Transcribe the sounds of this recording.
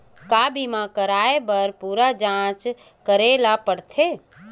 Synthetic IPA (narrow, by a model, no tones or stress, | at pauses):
kaːbʱimãkəɾaːebəɾpuːɾad͡ʒãːt͡ʃ | kəɾelapəɽt̪ʰe